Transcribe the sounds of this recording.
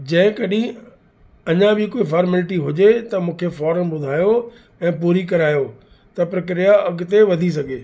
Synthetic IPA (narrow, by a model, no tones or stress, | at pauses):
d͡ʑɐ̃ɦɪ̃kɐɗĩ | ɐɲãbʱɪkoːifaːɾmɛlɪʈiɦʊd͡ʑet̪ɐmũːkʰefɔːɾəmbʊd̪ʱaːjo | ɛ̃ːpuːɾikɐɾaːjo | t̪ɐpɾɐk̬ɾijaɐɡʊt̪eʋɐd̪ʱis̬ɐɡʱeː